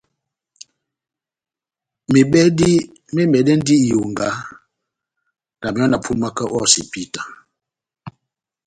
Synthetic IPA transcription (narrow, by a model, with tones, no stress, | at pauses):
me˨ɓɛ˦di˦ | me˦mɛ˨dɛ˦n˦di˦˨jo˨ŋɡa˨˦ | na˨mi˨ɔ˦na˨pʰu˦nma˦kə˦ʔɔ˦˨sḭ˨pi˦˨ta˨